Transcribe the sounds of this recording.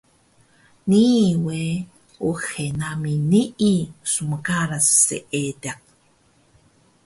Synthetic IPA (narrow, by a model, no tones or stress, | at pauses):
niːwe | uxenaminiʔisuməkaɾassḛʔet̪ak̚